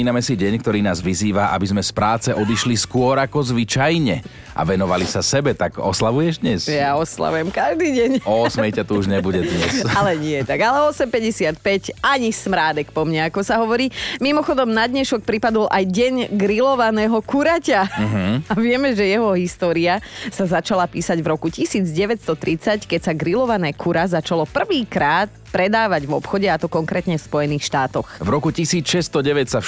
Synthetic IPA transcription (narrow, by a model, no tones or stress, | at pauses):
iːnamɛsiɟɛɲk̚t̪ɔɾiːnaːzʋiziːʋaʔa̰bizmɛspɾaːt͡sɛʔɔd̪iʃliskʊɔɾakɔzʋit͡ʃajɲɛ | ʔa̰ʋɛnɔʋalisasɛbɛt̪aɡɔ̰slaʋujɛʒd̪ɲɛsjaɔsla̰ʋujɛmkaʒd̪iːɟɛɲɔsmɛjtcat̪uuʒɲɛbuɟɛd̪ɲɛsalɛɲɪɛt̪aɡalɛɔsɛmpɛɟɛsɪat̪̚pɛcaɲismɾaːd̪ɛkpɔmɲaːkɔsaɦɔʋɔɾiːmimɔxɔd̪ɔmnad̪ɲɛʃɔk̚pɾipad̪ɔlʔajɟɛɲɡɾilɔʋanɛːɦɔkuɾacaɦaʋɪɛmɛʒɛjɛɦɔɦist̪ɔːɾiasazat͡ʃalapiːsaɟvɾɔkucisiːd͡zɟɛʋɛt̪st̪ɔt̪ɾit͡sackɛcsaɡɾilɔʋanɛːkʰuɾazat͡ʃalɔpr̩ʋiːkɾaːt̪̚pɾɛd̪aːʋaɟvɔ̰pxɔɟɛat̪ɔkɔŋkɾɛːt̪ɲɛfspɔjɛniːxʃt̪aːt̪ɔxvɾɔkucisiːt͡sʃɛst̪ɔɟɛʋɛtsa